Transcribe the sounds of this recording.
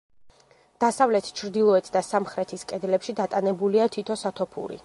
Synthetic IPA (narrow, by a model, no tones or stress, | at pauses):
d̪̥asavlɛt̪ʰt͡ʃʰɾd̪ilˠɔɛt̪ʰd̪asamχɾɛt̪ʰiskʼɛd̪lɛpʃid̪at̪ʼanɛbuliat̪ʰit̪ʰɔsat̪ʰɔpʰṵɾḭ